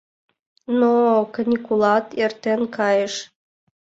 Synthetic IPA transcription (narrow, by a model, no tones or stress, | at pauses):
nokɤnʲikulɑt̪ert̪enkɑjəʃ